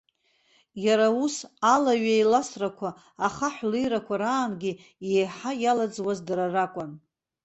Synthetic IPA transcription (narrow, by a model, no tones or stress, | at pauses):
jaɾausalaɥajlasrakʷʰaː | χaħlejɾakʷʰaɾaːnɡʲi | jejħajalad͡zwazdaɾarakʷʼʊn